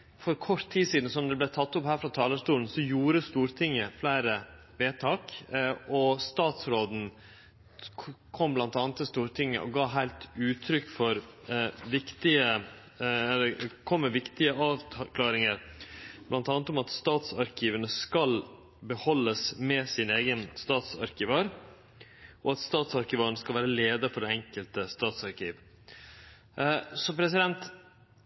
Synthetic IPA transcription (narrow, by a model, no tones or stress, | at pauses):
fɔɾkʰɔt̪ʰːiːsiːd̪n̩sɔmd̪ɛblæɪt̪ʰɑt̪ːʊphæːɾfɾɑt̪ʰɑːləʂt̪uːln̩sɔjuːɾəst̪uːɾt̪ʰɪŋːəflæɪɾə | ʋeːt̪ʰɑːkʔɔst̪ɑːt̪sɾoːd̪n̩ | kʰɔmblɑnt̪ɑːnt̪əst̪uːɾt̪ʰɪŋːə̰ʔɔ̰ɡɑːɦæɪlt̪ʉːt̪ʰɾʏkːfɔɾʋɪkt̪ɪə | ɛlːəkʰɔmːɛʋɪkt̪ɪəʔɑːʋkʰlɑːɾɪŋəɾb̥lɑnt̪ɑːnt̪ɔmɑt̪st̪ɑːt̪sɑɾkʰiːʋənəskɑl | bəhɔlːəsmɛsɪneːɡənst̪ɑːt̪sɑ̰ɾkɪʋɑɾ | ʔɔɑt̪st̪ɑːt̪sɑɾkɪʋɑːɾəɳəskɑlʋæːɾəleːd̪əfɔɖɛɛŋkəlt̪əst̪ɑːt̪sɑɾkiːʋ | sɔpʰɾɛsɪd̪ɛnt̪